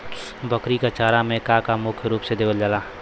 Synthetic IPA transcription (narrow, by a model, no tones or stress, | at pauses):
bəkɾikat͡ʃaːɾamẽkakamʊkʰjɾuːpsed̪eːʋəld͡ʒaːlaː